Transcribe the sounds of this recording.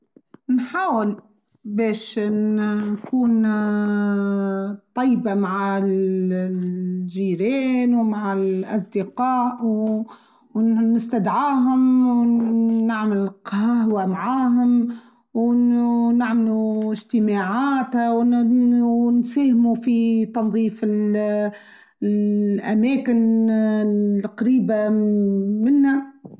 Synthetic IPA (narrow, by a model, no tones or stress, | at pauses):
nħaːwɪl | beːʃnkuːn | t̪ˤːɑjːbamaʕa | ʒiːɾeːnwmaʕalʔɑsˤd̪ɪqaːʔw | nɪst̪ad̪ʕaːɦʊm | naʕmɪlqɑhwamaʕaːɦʊm | w | naʕmluɪʒt̪ɪmaʕaːt̪haw | nsæːhɪmufit̪ɑnðˤiːfɪl | ʔamɛːkɪn | qɑɾiːba | mɪnːa